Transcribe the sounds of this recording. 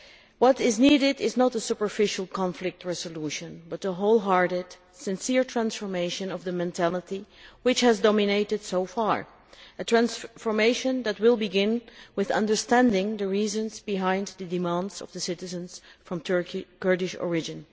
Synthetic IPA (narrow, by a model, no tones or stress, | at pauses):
wʌɾɪzniːɾɪdɪznəɾəsupə˞fɪʃəl̩ˠkʰɑ̃ɱflɪk̚tʰɹɛzəluʃə̃nbʌtəɦoʊlˠɦɑɹɾɪd̥ | sɨ̃nsɪɹtʰɹæ̃nsfəɹmeɪʃɨ̃nʌvðəmɛ̃ntʰælˠətiwɪt͡ʃhæzdɔmɪneɪɾɨd̥soʊfɑ̰ɹ | ətʰɹæ̃nsfəmeɪʃə̃nðæt̚wɪlˠbɨɡɪ̃nwɪðʌ̰̃ndə˞stæ̃ndɪ̃ŋðɨɹizɨ̃nzbɨɦãɪ̃nðɨdɨmæ̃ndzʌ̰vðəsɪɾɨzə̃nz̥fɹʌ̃mtʰə˞kikɜ˞dɪʃɔ̰ɹɪd͡ʒɨ̃n